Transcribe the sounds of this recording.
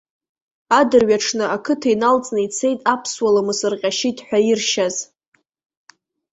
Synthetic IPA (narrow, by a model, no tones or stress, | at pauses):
adɨrɥaʈ͡ʂʰnɨʔakʰɨtʰajnalt͡sʼnɨit͡sʰe̞jtʼapʰswalamɨsɨrqʲʼaʃitʰʼħʷᶣairʃaz